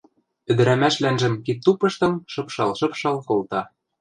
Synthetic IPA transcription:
ɘ̆d̪ɘ̆ɾæmæʃlænʒɘ̆mkit̪ːupɤ̆ʃt̪ɤ̆mʃɤ̆pʃɑlʃɤ̆pʃɑlkolt̪ɑ

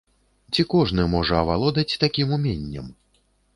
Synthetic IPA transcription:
t͡sʲikɔʐnɨmɔʐɐɐvalˠɔd̪ɐt͡sʲt̪akʲimumʲenʲːɐ̰m

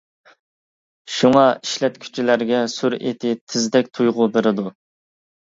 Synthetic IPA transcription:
ʃuŋɑiʃlɛt̪̚kʲʰy̥t͡ʃʰilæɾɡʲɛsuɾḛt̪ʰɪt̪ʰɪzd̪ɛk̚ʲt̪ʰujʁʊbeɾɪd̪u

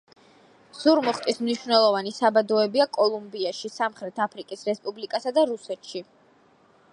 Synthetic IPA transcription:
z̥uɾmɔχt̪ʼismniʃvnɛlˠɔvanisabad̪ɔɛbiakʼɔlˠumbiaʃisamχɾɛt̪ʰapʰɾikʼisɾɛspʼublikʼasad̪aɾusɛt̪ʰʃi

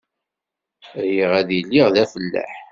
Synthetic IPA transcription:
jiʁæðjəlːiʁðæfəlːæ̰ħ

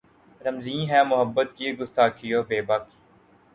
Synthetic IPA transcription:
ɾəmzĩːɦɛ̃ːmʊɦəbːət̪kiɡʊst̪aːkʰijoːbeːbaːki̥ː

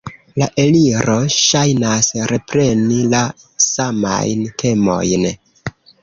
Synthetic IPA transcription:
laʔe̞liɾo̞ʃajnasɾʔe̞pɾe̞nila | sama̰jntʰe̞mo̞̰jn

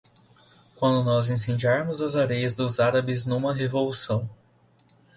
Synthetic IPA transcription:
kwɐ̃nd̪ʊnɔzẽs̬ẽd͡ʒiaɾmʊzɐzaɾejɐzd̪ʊzaɾɐbɪznũmɐɦevolusɐ̃w̃

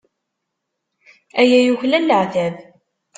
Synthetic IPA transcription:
æjæjuçlænːəʕθæv

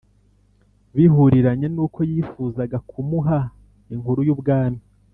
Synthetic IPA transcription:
βiɦuɾiɾaɲe̞nuːko̞jiːfuːzaɡakʰumuɦa | iŋhuɾujubɡaːmi

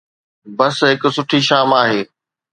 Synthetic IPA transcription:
bɐsɦɪksʊʈʰiʃaːmaːɦeː

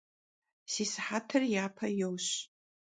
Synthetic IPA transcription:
sisħatʰɨrjapʰajowɕ

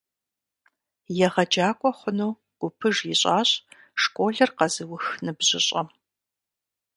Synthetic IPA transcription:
jɛʁɐd͡ʒaːkʷʼɔχʷʊnuː | ɡ̥ʷʊpʰɨʐjiɕʼaːɕʼ | ʂkʷʼoːɮɐrqɐzɨwʊxnɨbʑɪɕʼɐm

